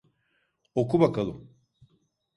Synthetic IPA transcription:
okubakʰalˠɯ̰m

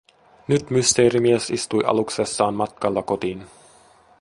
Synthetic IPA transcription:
nyt̪myst̪e̞ːɾimiesist̪ujʔɑ̰lukse̞sːɑːnmɑt̪̚kɑlːɑko̞t̪iːn

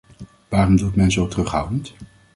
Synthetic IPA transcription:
ʋaːrɔmdutmɛnzowtərɵχɦʌ̰wdənt

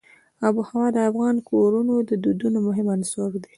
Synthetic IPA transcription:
ɑbuhawɑd̪əafɣɑnkʰoɾunod̪əd̪ud̪unomʊɦɪmansoɾd̪e̥

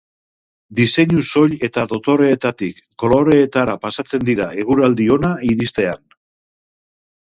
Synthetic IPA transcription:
d̪ise̞ɲuso̞ʎe̞t̪aðo̞t̪o̞ɾe̞ːt̪at̪ikːo̞lo̞ɾe̞ːt̪aɾapasat͡se̞nd̪iɾae̞ɣ̞uɾald̪io̞naiɾist̪e̞an

